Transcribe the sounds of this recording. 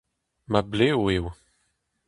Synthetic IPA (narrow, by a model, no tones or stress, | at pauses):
mablewew